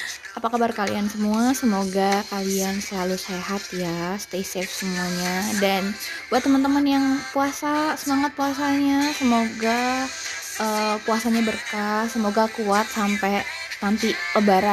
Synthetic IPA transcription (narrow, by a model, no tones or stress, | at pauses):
apakabarkalḭansəmuasəmoɡakaliansəlaluseɦat̪jast̪esɛfsəmuaɲadan | b̥uat̪ːəmant̪əmanjaŋpuasasəmaŋat̪̚puasaɲasəmoɡa | ʔəːpuasaɲabərkasəmoɡakuat̪̚sampɛ | t̪ant̪ipəbaɾa